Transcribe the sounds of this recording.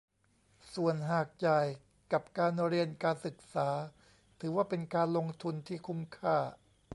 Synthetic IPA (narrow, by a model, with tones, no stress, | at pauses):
su˨˩ənɦaː˨˩k̚t͡ɕa˨˩j | ka˨˩p̚kaː˧nɾi˧ənkaː˧nsɯ˨˩k̚saː˩˦ | t̪ʰɯː˩˦waː˥˩pe˧nkaː˧nlo˧ŋt̪ʰu˧nt̪ʰiː˥˩kʰu˥˩mkʰaː˥˩